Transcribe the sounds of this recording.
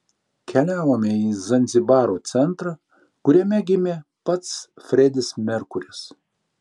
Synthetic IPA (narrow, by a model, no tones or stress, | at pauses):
kʲɛlʲæːʋoːmʲɛiːzɐnʲzʲɪbɑːɾoːt̪sʲɛnˑt̪ɾɑ | kʊɾʲɛmʲɛɡʲɪmʲeːpɐt̪sfʲɾʲɛd̪ʲɪsmʲɛɾkʊɾʲɪs